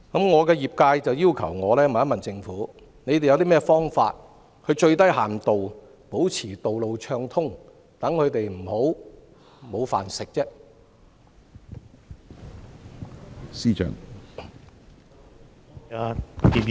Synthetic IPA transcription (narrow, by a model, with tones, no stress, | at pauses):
kɐ˨˥mŋɔː˨˧kɛː˧jiː˨p̚kaː˧jt͡sɐ˨wjiː˥wkʰɐ̰˨˩wŋɔː˨˧lɛː˥m̩˨˩jɐ˥tmɐ˨nt͡sɪ˧ŋfuː˨˥ | ne˨˧jt̪e˨jɐ˨˧wt̪iː˥mɛː˥fɔː˥ŋfa̰ː˧t̚ | kʰɵ˨˧ɥt͡ʃɵ˧ɥt̪ɐ˥jɦaː˨˩nt̪o˨w | po˨˥wt͡sʰiː˨˩t̪o˨wlo˨wt͡ʃʰœː˧ŋt̪ʰʊ˥ŋ | t̪ɐ˨˥ŋkʰɵ˨˧ɥt̪e˨jm̩˨˩ho˨˥w | mo˨˧wfa̰ː˨nsɪ˨k̚t͡sɛː˥ | siː˥t͡ʃœ̰ː˨˩ŋ˧ | i˨